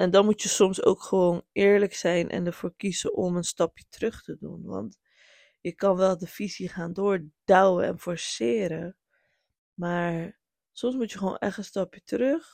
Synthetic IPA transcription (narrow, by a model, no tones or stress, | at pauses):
ʔɛndɑnmutjəsɔmso̰wkχəʋownɪːɹləksɛjnʔɛ̰ndəɹv̥oːɹkizəʔɔmənstɑpjə̥trøχtədṵnʋɑ̰nt | jəkɑnʋɛlˠdəfiziχaːndoːɹd̥œwəɛ̰nfɔɹsɪːɾə | maːɹ | sɔmsmutjəχəʋo̰ːnʔɛ̰χtənstɑpjətərøχ